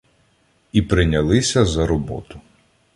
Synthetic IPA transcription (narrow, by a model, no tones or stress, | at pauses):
ipɾɪnʲɐlˠɪsʲɐzɐɾɔbɔ̰t̪ʊ